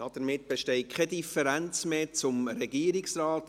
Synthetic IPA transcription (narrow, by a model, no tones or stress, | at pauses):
ɔd̥əɾmɪt̚b̥eʃtɛɪkʰχɛdifɛɾænt͡smeːt͡sʊmɾɛɡiːəɾɪksrɑːt